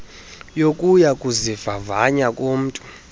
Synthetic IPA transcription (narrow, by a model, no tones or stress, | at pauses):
jokʼujakʼuzivavaɲakʼom̩ːtʼu